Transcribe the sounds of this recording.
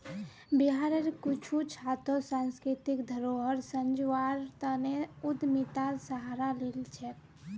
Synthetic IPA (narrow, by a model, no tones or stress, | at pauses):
biɦaɾeɾkut͡ʃʰut͡ʃʰat̪osãnskɾit̪ikd̪ʱəɾoɦəɾsənd͡ʒaɾt̪əneud̪mit̪asəɦaɾalelt͡ʃʰɛ